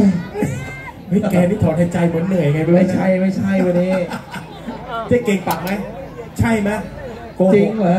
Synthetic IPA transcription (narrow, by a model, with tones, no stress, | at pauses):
mɯ˦˥˩kɛː˧niː˦˥˩t̪ʰɔː˩˦nha˧˩jt͡ɕa˧jmɯ˨˩˦nːɯ˨˩əjŋa˧jba˧˩ma˥˩t͡ɕʰa˥˩jma˥˩jt͡ɕʰa˥˩jwa˧niː˦˥˩ | t͡ɕa˧˩ke˧ŋpa˨˩ŋ̚ma˦˥jt͡ɕʰa˥˩jma˦˥˩ | ko˧t͡ɕi˧˦˧ŋa˨˦